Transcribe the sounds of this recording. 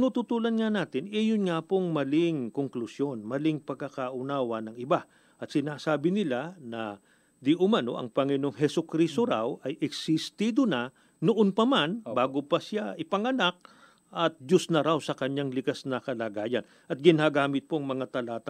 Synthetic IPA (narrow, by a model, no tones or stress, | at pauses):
nut̪ʊt̪uːlɐnŋanaːt̪ɪnʔɛjʊnŋapoŋmɐlɪŋkoŋklusjo̞nmɐlɪŋpɐɡkːɐkaʔʊnaːwɐnɐŋɪba | ʔɐt̪sɪnaːsaːbɪnɪlanɐ | d̪ɪʔʊmɐno̞̰ʔɐ̰ŋpɐŋɪno̞ŋɦɛsʊkɾiːst̪oɾawʔɐjʔɛksɪst̪iːd̪onɐ | noʔonpɐmanbaːɡopɐsaɪpɐŋɐnak̚ | ʔɐt̪̚d͡ʒosnɐɾawsɐkɐɲaŋlɪkasnɐkɐlaːɡaːjɐn | ɐt̪̚ɡɪnaːɡaːmɪt̪̚poɐŋmɐŋat̪ɐlaːt̪a